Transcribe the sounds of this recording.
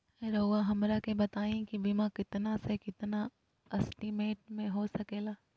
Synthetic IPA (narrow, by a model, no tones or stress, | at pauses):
ɛɾoːwaɦɐmɾakebɐt̪aːẽkibimãkɪt̪nasekɪt̪na | ɐsʈimeːʈ̚mẽɦosɐkeːlaː